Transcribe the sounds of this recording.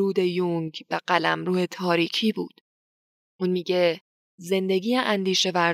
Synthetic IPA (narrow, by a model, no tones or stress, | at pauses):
ɾuːd̪e̞juŋɟbeɢælæ̰mɾuːhe̞t̪ʰɒːɾiːcʰiːbṵːd̪̥ | ʔunmiːɡɟe̞ | ze̞nd̪e̞ɡiːjeʔænd̪iːʃe̞væ